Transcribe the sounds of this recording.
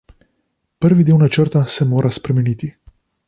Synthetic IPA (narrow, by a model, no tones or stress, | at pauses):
pəɾʋid̪iwnat͡ʃəɾt̪asɛmoːɾʔaspɾɛmɛnit̪i